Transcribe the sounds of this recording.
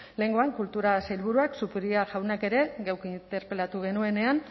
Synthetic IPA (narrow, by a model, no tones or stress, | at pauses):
le̞ŋɡo̞aŋkult̪uɾasajlβuɾuaksupɾiaʝawnake̞ɾe̞ɣawkint̪e̞ɾpe̞lat̪uɣ̞e̞nue̞ne̞an